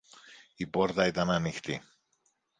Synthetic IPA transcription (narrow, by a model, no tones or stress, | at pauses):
ipo̞ɾt̪ɐit̪ɐnɐnixt̪i